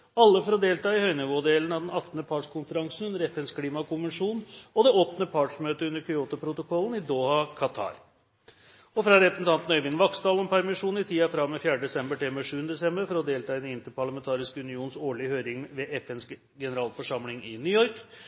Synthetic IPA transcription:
ɑlːəfɔɾɔd̪eːlt̪ɑːɪhœʏnəʋʊd̪eːlənɑd̪ɛnɑt̪ːnəpʰɑːʈʂkʰʊnfəɾɑŋsn̩ʉnːəɾɛfɛnskʰliːmɑkʊnʋɛnʂuːnɔd̪ɛɔt̪ːnəpʰɑːʈʂmøːt̪əʉnːəɾkʰʏuːt̪ʊpʰɾʊt̪ʊkʰɔlːənɪd̪oːhɑkʰɑt̪ʰɑ̰ːɾ | ɔfɾɑɾɛpɾəsn̩t̪ɑnt̪n̩œʏʋɪnʋɑksd̪ɑːlɔmpʰæɾmɪʂuːnɪt̪ʰiːɑfɾɑmːɛfjæːɖəd̪ɛsɛmbəʈɪlmɛʂʉːnəd̪ɛsɛmbəɾfɔɾɔd̪eːlt̪ɑːɪd̪ɛnɪnt̪əɾpʰɑɭɑmɛnt̪ʰɑːɾɪskəʉnɪuːnnsoːɭɪhøːɾɪŋʋɛʔɛfɛns | ɡɛnəɾɑːlfɔʂɑmlɪŋɪnʏjɔɾk

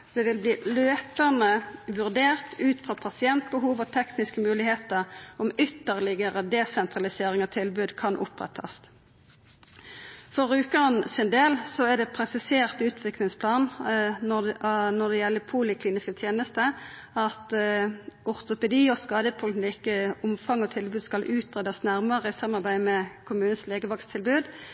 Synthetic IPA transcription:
d̪̥ɛʋɪlbliːløːpənəʋʉʁd̪eːʁt̪ʰʉːt̪fʁɑːpʰɑsɪɛnt̪̚bəɦuːʋɔt̪ʰɛknɪskəmʉːlɪheːt̪əʁɔmʏt̪ːəʁlɪɡəʁəd̪ɛsɛnt̪ʁɑlɪseːʁɪŋɔt̪ʰɪlbʉːd̪kʰɑnʔʊ̰pʁɛ̰t̪ʰɑ̰st̪ | fɔʁʉːkəɑnsɪnd̪eːlsɔæd̪ɛpʰʁɛsɪseːʁt̪ʉːt̪ʰʋɪklɪŋspʰlɑːnɔnɔʁd̪ɛjɛlːəpʰuːlɪkʰliːnɪskət̪ʰjeːnəst̪ə | ɑt̪ | ʔʊʁt̪ʊpɛd̪iːɔskɑːd̪əpʰʊlnɪkːəʊmfɑŋɔt̪ʰɪlbʉːd̪skɑlʔʉːt̪ʁeːd̪ɑsnæʁməʁəɪsɑmːɑʁbæɪmɛkʰʊmʉːnəsleːɡəʋɑkst̪ʰːɪlbʉːd̪

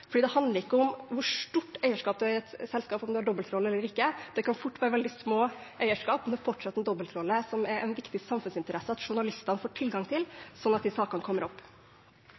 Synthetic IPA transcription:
fɔɖiːd̪ɛhɑnd̪əɾɪkːəʊmʋʊʂʈ̪uʈːæɪəʂkɑːp̚d̪ʉæɾɛt̪sɛlskɑːpɔmd̪ʉɑɖɔbːəlt̪ʰɾɔlːəɛlːəɾɪkːəd̪̥ɛkɑnfʊʈːʋæːɾəʋɛld̪ɪsmoːʔæɪəʂkɑːpmɛnd̪ʉfɔʈʂɛt̪ːɛnd̪ɔbːəlt̪ʰɾɔlːəsɔmɛɾɛnʋɪkt̪ɪsɑmfʉnsɪnt̪əɾɛsəɑt̪ʂʊɳɑlɪst̪ɑnəfoːʈʰɪlɡɑŋt̪ʰɪlsɔnːɑt̪d̪ɪsɑːkɑnəkʰɔmːəɾɔpː

